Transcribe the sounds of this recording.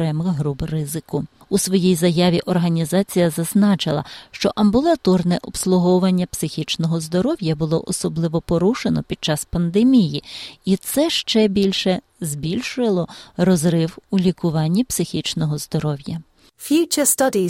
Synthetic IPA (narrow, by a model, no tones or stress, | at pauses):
ɾɛmɪxɦɾubrɪzɪkʊ | usʋɔjijzɐjɑʋʲiʔɔrɦɐnʲizɑt͡sʲijɐzɐznɑt͡ʃɪlˠɐ̰ʃt͡ʃɔʔɐmbʊlˠɐt̪ɔrnɛʔɔpslˠʊɦɔʊʋɐnʲːɐpsɪxʲit͡ʃnɔɦɔzd̪ɔɾɔwjɐbʊlˠɔ̰ʔɔsɔblˠɪʋɔpɔɾuʃenɔpʲid̥̪̚t͡ʃɑspɐnd̪emʲijiit̪sɛʃt͡ʃɛbʲilʲʃɛ | zbʲilʲʃʊɐlˠɔrɔzɾɪwulʲikʊʋɑnʲːipsɪxʲit͡ʃnɔɦɔzd̪ɔɾɔwjɐ | fjʉˑt͡ʃəstɐdi